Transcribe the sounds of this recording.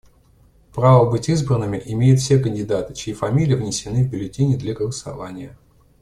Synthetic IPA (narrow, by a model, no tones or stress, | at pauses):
pɾavəbɨtʲizbɾənːɨmʲɪʔɪmʲejʊt̪fsʲekənʲdʲɪd̪at̪ɨ̥t͡ɕɪifɐmʲilʲɪjɪvnʲɪsʲɪnɨvbʲɪlʲɪtʲinʲɪd̪lʲaɡəlˠəsɐ̰vanʲɪjə